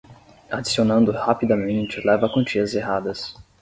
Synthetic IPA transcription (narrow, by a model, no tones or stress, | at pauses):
ad͡ʒisionɐ̃nd̪ʊhapid̪ɐmẽnt͡ʃɪlɛvɐkõnt͡ʃiɐzeɦad̪ɐs